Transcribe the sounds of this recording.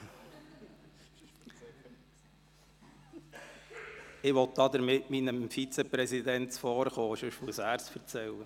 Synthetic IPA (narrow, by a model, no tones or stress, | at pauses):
ɪʋɔt̚d̥̪ɑd̪əɾmɪtminəmfit͡sɛpɾɛsid̪ɛntfɔːɾχoːɪʃɵʃmuəsæːɾsfəɾt͡sɛlːə